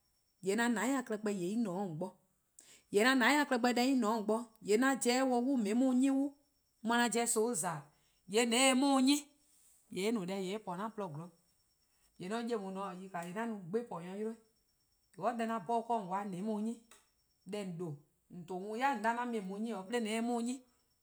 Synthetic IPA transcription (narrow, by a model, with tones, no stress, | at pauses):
jɛ˨˦nã˧nã˨˦ĩ˦ã˧˨klɛ˧k͡pɛ˧˦je˨i˦nɔ̃ː˨˦˨ŋ̩˨k͡pɔ˧˦ | jɛ˨˦nã˧nã˨˦ĩ˦ã˧˨klɛ˧k͡pɛ˧˦dɛ˧˦i˦nɔ̃˨˦˨k͡pɔ˧jɛ˨˦nã˧d͡ʒɛː˨˦wɔ˧˦wu˦˨mẽ˨˦mũ˦ɲĩ˦wu˦ | mã˧nã˧˦d͡ʒɛː˧˦so˨˦˨zaː˨ | jɛ˨˦nɛ̃˨˦e˧˦mũː˦ɲɛ̃˦ | jɛ˨e˦nũ˨dɛ˧˨jɛ˨e˦pɔ˨˦nã˦plɔ˧˨ɡlɔ˨˦ | jɛ˨nɔ̃˨˦je˦˨mũ˨nɔ̃˨˦˨ji˧ka˨jɛ˨nã˦nũ˨˦ɡ͡be˦pɔ˨ɲã˧˦jo˦o˦ | e˨wɔ˦dɛ˧nã˧bɔ˦˧kɔ˦˨ŋ˨wa˨˦nɛ̃˨˦mũː˧˨˦ɲĩ˦ | ɗɛ˧˨n̩˨do˨ | n̩˨to˨˦mũ˧˦ja˦˨n̩˨dã˧˦nã˧mẽ˨mũ˨˦ɲĩ˦ɔ˨pə˦le˦nɛ̃˨˦e˧˦mũː˦˨˦ɲĩ˦